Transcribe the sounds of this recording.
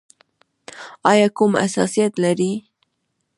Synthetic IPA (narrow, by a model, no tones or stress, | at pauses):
ʔajakuːmʔa̰sasɪjat̪laɾiː